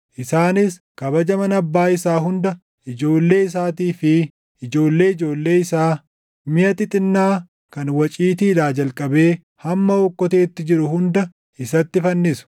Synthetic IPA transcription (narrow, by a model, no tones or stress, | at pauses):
ʔɪsaːnɪs | kɐbɐd͡ʒɐmɐnɐbːaːɪsaːɦʊnd̪ɐ | ʔɪd͡ʒo̞ːlːe̞ːɪs̬aːt̪iːfɪ | ɪd͡ʒo̞ːlːe̞ːɪd͡ʒo̞ːlːe̞ːɪsaː | mɪjɐt̪ɪt̪ʼɪnːaː | kɐnwɐt͡ʃʼiːt̪̬iːd̪aːd͡ʒɐlkʼɐbe̞ː | hɐmːɐɔkːɔt̪e̞ːt̪ːɪd͡ʒɪɾʊhʊnd̪ɐ | ɪsɐt̪ːɪfɐnːɪsʊ̥